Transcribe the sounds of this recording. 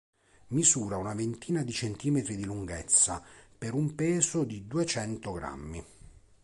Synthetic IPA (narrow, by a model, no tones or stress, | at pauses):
mizuːɾaunavent̪ʰiːnad̪it͡ʃent̪iːmet̪ɾid̪iluŋɡɛt̪sːapeɾumpɛːzod̪id̪uet͡ʃɛnt̪oɡɾa̰mːi